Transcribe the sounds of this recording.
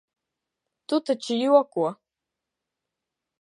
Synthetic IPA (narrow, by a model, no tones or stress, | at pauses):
tutʰat͡ʃʰijiwakʷʼwa